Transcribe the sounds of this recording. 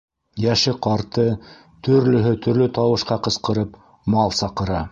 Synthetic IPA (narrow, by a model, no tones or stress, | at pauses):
jæʃɘqɑɾt̪ɤ | t̪ɵ̆ɾlɵ̆ɦɵt̪ɵ̆ɾlɵt̪ɑwɤ̆ʃqɑqɤ̆sqɤ̆ɾɤp | mɑlˠsɑqɤ̆ɾɑ